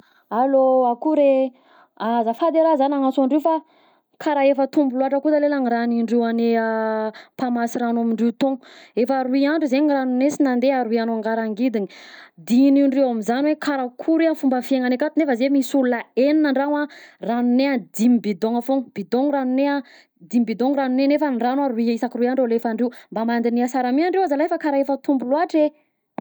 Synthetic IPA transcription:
aloakuɾe | azafad̪eɾazanaŋasaɳɖ͡ʐewfa | kʰaɾaefət̪umbuluaʈ͡ʂəkud̪alelaŋiraniɳɖ͡ʐewaneapamasiɾanamiɳɖ͡ʐewt̪õŋefaɾuiaɳɖ͡ʐuzeɲiranunesinand̪eaɾuianoaŋɡaɾaŋɡid̪iɲid̪iniɳɖ͡ʐewamizanwekʰaɾakʰuɾeafumbəfiaŋanekat̪unefəzemisulunəeninəɳɖ͡ʐanaranunead̪imbid̪oŋafoŋb̥id̪oŋranunea | d̪imibid̪oŋranunenefanranaɾuiisakiruiaɳɖ͡ʐwlefaɳɖ͡ʐewmbamand̪iniasaɾamiaɳɖ͡ʐewazalajfəkaɾaefət̪umbuluaʈ͡ʂe

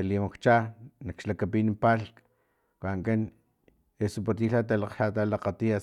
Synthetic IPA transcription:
elimakt͡ʃanakʃlakapiːnimpalk | kʷaŋken | esup̬at̪iːɬat̪̬alaqʃat̪alaqat̪ia

